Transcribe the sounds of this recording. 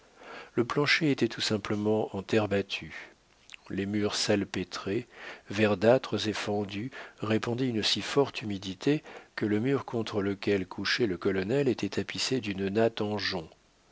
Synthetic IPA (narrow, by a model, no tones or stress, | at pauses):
ləplɑ̃ʃeet̪ɛt̪usɛ̃pləmɑ̃ɑ̃t̪ɛʁbat̪ʰy | lemyʁsalpet̪χevɛʁd̪at̪χəzefɑ̃d̪yʁepɑ̃d̪iynsifɔʁt̪ymid̪it̪ekələmyʁkɔ̃t̪χələkʲɛlkʰuʃɛləkɔlɔnɛlet̪ɛt̪ʰapised̪ynnat̪ɑ̃ʒɔ̃